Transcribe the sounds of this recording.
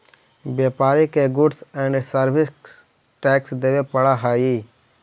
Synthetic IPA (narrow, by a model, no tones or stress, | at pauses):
bjeːpaːɾikeɡʊɖsɛ̃ɳɖsəɾbɪs | ʈɛːksd̪eːʋepɐɽaɦaːjiː